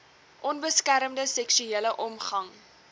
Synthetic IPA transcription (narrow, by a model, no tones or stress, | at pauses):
ʔɔnbəskæɾəmdəsɛksyeːləʔɔmχɐŋ